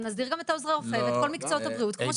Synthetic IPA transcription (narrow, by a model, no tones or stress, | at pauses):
nazd̪iʁɡame̞t̪aozʁaʁofevet̪ko̞lmikt͡sootabʁiut̚kmoʃ